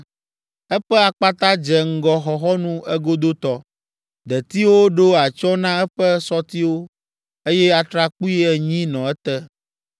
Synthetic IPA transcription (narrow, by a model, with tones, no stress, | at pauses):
ɛ˦ɸɛ˦a˨k͡pa˦t̪ã˦d͡ʒɛ˨ŋ̩˦ɡɔ˦xɔ˨xɔ˦nũ˦ɛ˦ɡo˦d̪o˦t̪ɔ˦ | d̪ɛ˨t̪i˦wo˦ɖo˦a˨t͡ʃɔ˦nã˦ɛ˦ɸɛ˦sɔ˦t̪i˦wo˦ | e˦jɛ˦a˨t̪ɾa˦k͡pu˦i˦ɛ˨ɲĩ˦nɔ̃˨ɛ˦t̪ɛ˦